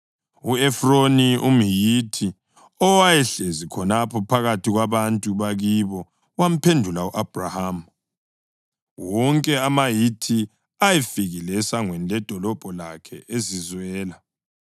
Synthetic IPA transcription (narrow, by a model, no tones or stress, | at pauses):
uɛfronium̩jitʰi | ɔwajɛɬezikʰɔnapʰɔpʰaɣatʰiɣwaβantʼuβaɣiβɔ | wam̩pʰendʱulauʔab̥ʱraham̩ | wɔŋkʼɛamajitʰi | ajɛfiɣilɛsaŋwɛnlɛd̥ʱɔlɔb̥ʱɔlakʰɛʔezizwɛːla